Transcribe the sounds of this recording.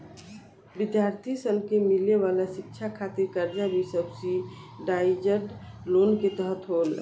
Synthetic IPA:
bɪd̪jaɾt̪ʰisənkemileʋalasɪk̚t͡ʃʰakʰat̪iɾkəɾd͡ʒabʱisəbsiɖaɪd͡ʒəɾɖ | lonket̪əɦət̪ɦol

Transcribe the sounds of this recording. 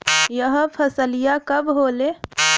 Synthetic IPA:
jəɦəpʰəsəlijakəbɦole

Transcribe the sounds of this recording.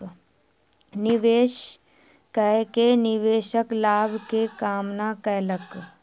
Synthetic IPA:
nɪʋeːʃ | kɛkenɪʋeːʃəklaːbʱkekaːmnakɛːlək

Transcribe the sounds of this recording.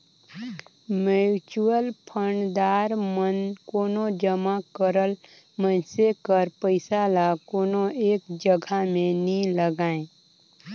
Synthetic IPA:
məut͡ʃuəlpʰəɳd̪aːɾmənkoːnod͡ʒəmakəɾəl | mənsekəɾpəɪsalakoːnoʔeːkd͡ʒəɡʱamẽniləɡaːẽ

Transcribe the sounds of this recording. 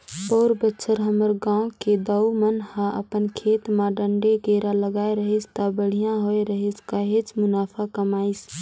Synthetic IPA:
pɔːɾbətːʃʰəɾɦəməɾɡãːked̪əwmənhãʔə̰pənkʰeːt̪mãɖəɳɖeɡeːɾaləɡaːeɾəɦist̪əbəɽ̤ijãɦoeɾəɦiskaɦet͡ʃmʊnaːpʰakəmaːis

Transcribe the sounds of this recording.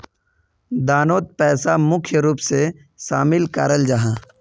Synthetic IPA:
d̪aːnoːt̪̚pɛːsamʊkʰjəɾuːpse | ʃaːmɪlkaːɾəld͡ʒaɦãː

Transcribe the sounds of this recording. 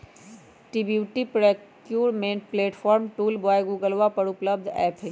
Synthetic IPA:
ʈibjuʈipɾekjuːɾmẽːnʈpleːʈpʰɔːɾmʈuːlbɔːjɡuːɡəlʋapəɾʊpləbd̪ʱɛ̰ːpʰe

